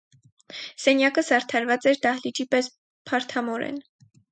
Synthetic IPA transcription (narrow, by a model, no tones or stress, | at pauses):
sɛnjɑkəsɑɾt̪ʰɑɾvɑt͡sɛɾd̪ɑhlit͡ʃipɛs | pʰɑɾt̪ʰɑmɔɾɛ̰n